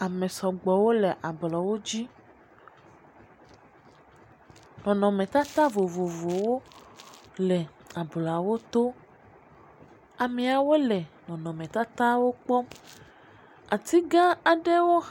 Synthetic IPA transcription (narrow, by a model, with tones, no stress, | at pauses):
a˨mẽ˨sɔ˨ɡ͡bɔ˨wo˦le˨ʔa˨blɔ˨wo˦d͡ʑi˦ | nɔ̃˨nɔ̃˨mẽ˨t̪a˦t̪a˦vo˨vo˨vo˨wo˦ | lɛ˨a˨bla˨wo˦t̪o˦ | a˨me˨a˨wo˦le˨nɔ̃˨nɔ̃˨mẽ˨t̪a˦t̪a˦wo˦k͡pɔ˦ | a˨t̪i˦ɡã˦a˨ɖe˦wo˦